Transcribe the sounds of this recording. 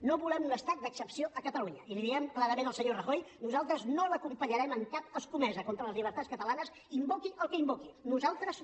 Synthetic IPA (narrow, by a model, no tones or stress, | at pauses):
noβulɛmunəst̪ak̚d̪əksəpsioʔəkət̪əluɲəiliðiɛmklaɾəmenəlˠsəɲorəxojnuzalˠt̪ɾəznoləkumpəɲəɾɛməŋkap̚əskumɛzəkont̪ɾələzʎiβəɾt̪atskət̪əlanəs | imbokiʔəlˠkəimbokinuzalˠt̪ɾəs